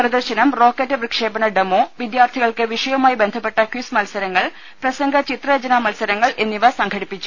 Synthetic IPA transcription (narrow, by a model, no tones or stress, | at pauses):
prɐd̪ɐrɕɐnɐmro̞ːkːetːɐprɨkʂeːbɐnɐɖemoːʋid̪jaːrt̪ʰiɣɐɭkɨʋiʂɐjɐmaːjbe̞nd̪ʱɐpːe̞ʈːɐkjusmɐlsɐɾɐŋːɐɭ | prɐsɐŋɡʱɐt͡ɕit̪rɐjɐd͡ʑɐnaːmɐlsɐɾɐŋːɐɭʔe̞nːiʋɐsɐŋɡʰʱɐɽipːit͡ɕːu̥